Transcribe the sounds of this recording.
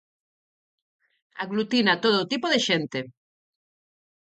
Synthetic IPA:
a̰ɣlut̪inat̪oð̞oːt̪ipoðeʃent̪e

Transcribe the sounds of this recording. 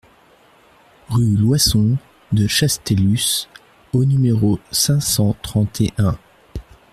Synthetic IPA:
ʁylwasɔ̃ | d̪əʃast̪elys | onymeʁosɛ̃sɑ̃t̪χɑ̃t̪ʰeʔɛ̃

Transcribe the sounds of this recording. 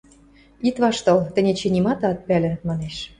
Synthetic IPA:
it̪βɑʃt̪ɤ̆lt̪ə̆nʲet͡ɕenʲimɑt̪ɑt̪̚pælʲɘ̆mɑneʃ

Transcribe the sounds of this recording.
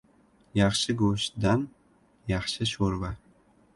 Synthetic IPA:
jɑχʃɪɡoʃd̪an | jɑχʃɪʃoɾva

